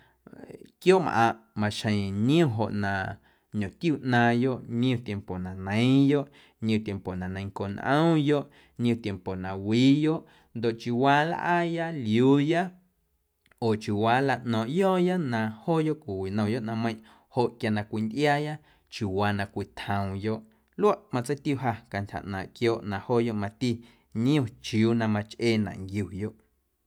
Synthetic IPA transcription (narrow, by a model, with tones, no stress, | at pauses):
kjoː˦m̰˧ʔã˧ʔmã˨ʃə̃˨ɲ̃˦ũ˧˨ɦo̰˨ʔnã˨ | ɲõ˨t̪ju˦˨ʔnã˧jo˦ʔɲĩ˦ũ˧˨t̪je˧˨mpo˨nã˨nə̃˨˦j̃jo˦ʔ | ɲĩ˦ũ˧˨t̪ʲje˨mpo˨nã˨nə̃˨j̃ŋko˨nʔə̰̃˦jo˦ʔ | ɲĩ˦ũ˧˨t̪je˨mpo˨nã˨wiː˨˦jo˦ʔ | nd̪o˨ʔt͡ʃu˨waː˧˦la̰˦ʔa˦ja˦ljuː˨˦ja˦ | oː˨t͡ʃju˨waː˨˦la˧ʔnɔ̃ː˨ʔjɔː˦ja˦nã˧˨hoː˦jo˦ʔkʷi˨wi˨nə̃˨jo˦ʔnã˧mə̃˧j̃ʔ | ho˨ʔkja˧nã˧kʷi˨nd̪ʔjaː˦ja˦ | t͡ʃu˨waː˨˧nã˧kʷi˨t̪hə̃˨w̃jo˦ʔ | lu˦a˦ʔmã˧t͡sə˦jt̪u˧˨ɦa˧ka˧nt̪ʲha̰˨ʔnã̰ː˨ʔkjoː˦ʔnã˧˨hoː˦˨jo˦ʔmã˧t̪i˦ | ɲĩ˦ũ˦˧˨t͡ʃi˧uː˨˦nã˧mã˧t͡ʃʔeː˦˧nã̰˨ŋɡju˨jo˦ʔ